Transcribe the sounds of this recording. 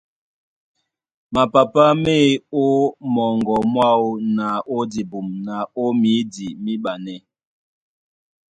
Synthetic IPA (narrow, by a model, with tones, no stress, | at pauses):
ma˨pa˨pa˦me˦o˦mɔ˨ŋɡɔ˨mwa˦o˦na˨o˦di˨bu˨mna˨o˦mi˨˦di˨mi˦ɓa˨nɛ˦